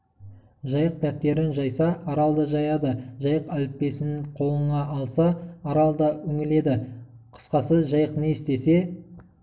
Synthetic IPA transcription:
ʒɑjəq̚t̪ʰæp̚t̪e̞ɾɪnʒɑjsɑʔɑɾɑlˠd̪əʒɑjɑd̪əʒɑjəqælɪpːe̞sɪnɪqʰo̞lˠəɴɑʔːlˠsɑːɾɑlˠd̪ɑɵŋɪle̞d̪ɪ | qʰə̥sqɑsəʒɑjəqneɪst̪e̞se̞

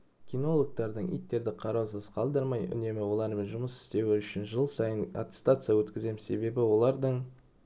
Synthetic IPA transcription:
kʲijno̞lˠok̚t̪ɑɾd̪əɴḭjt̪ːe̞ɾd̪ɪqʰɑɾɑwsəz̥qʰɑlˠd̪əɾmɑjʏ̰ne̞mɪwo̞lˠɑɾme̞nʒʊməsɪ̥st̪e̞wɪʏʃɪnʒəlˠsɑjəna̰t̪ɪ̥st̪at̪sɨjawɵt̪kʲɪze̞mɪsse̞be̞bɪwo̞lˠɑɾd̪əɴ

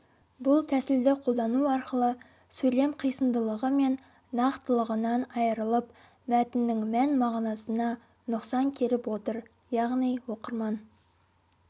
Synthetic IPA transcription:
bʊlˠt̪ʰæsɪld̪ɪqʰo̞lˠd̪ɑnuɑɾqəlˠə | sɵjle̞mqʰijsənd̪əlˠəʁəme̞n | nɑqt̪əlˠəʁənɑnɑjəɾəlˠəp | mæt̪ɪnːɪŋmænmɑʁnɑsənɑ | nʊqsɑŋkʲʰe̞ɾɪpwo̞t̪əɾ | jɑʁnijwo̞qəɾmɑn

